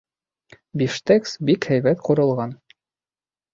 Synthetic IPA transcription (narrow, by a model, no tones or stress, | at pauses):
biʃt̪æksbikhæjbæt̪qŭɾɤ̆lˠʁɑn